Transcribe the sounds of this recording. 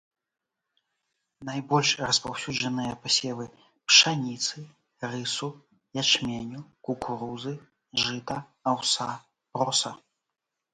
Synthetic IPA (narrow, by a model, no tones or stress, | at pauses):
najbɔlʲʂrɐspawsʲud͡ʐɐnɨjɐpasʲɛlˠɨ | pʂanʲit̪sɨ | rɨsu | jat͡ʂmʲɛnʲukukuɾuzɨ | ʐɨt̪ɐːwsa | pɾɔsɐ